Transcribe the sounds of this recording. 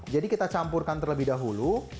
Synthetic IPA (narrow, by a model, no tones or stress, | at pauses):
d͡ʒadikit̪at͡ʃampʊrkant̪ərləbɪhdaɦulu